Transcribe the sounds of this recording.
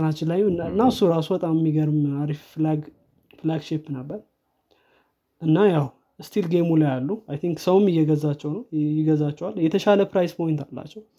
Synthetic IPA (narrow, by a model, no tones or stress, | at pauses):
nat͡ʃːɪnlajunɨnːaɨsːuɾasubət̪ʼamɛmːiɡəɾmaɾifflaɡ | flaɡʃepːnəbːəɾ | ʔɨnːajaw | st̪ʰilɡemuljalːuajt̪ʰiŋksəwʊmɪjːɛɡəzːat͡ʃːɛwnəwjɪɡəzat͡ʃːɛwalːjɛt̪ʰəʃaləpɾajspʰo̞jɪnt̪ʰalːa̰t͡ʃːɛw